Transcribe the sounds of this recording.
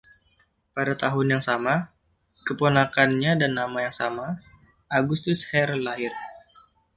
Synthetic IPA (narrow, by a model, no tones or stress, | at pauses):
padat̪aɦʊnjaŋsama | kəponakanɲadanːamajaŋsama | aɡust̪ʊshɛɾlaɦɪr